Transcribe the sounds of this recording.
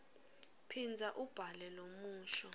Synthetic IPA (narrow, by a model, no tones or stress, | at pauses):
pʰind͡zʱaʔub̥ʱalɛlomuːʃɔ